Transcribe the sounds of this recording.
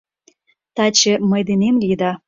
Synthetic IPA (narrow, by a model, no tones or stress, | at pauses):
t̪ɑt͡ɕeməjd̪enemlʲid̪ɑ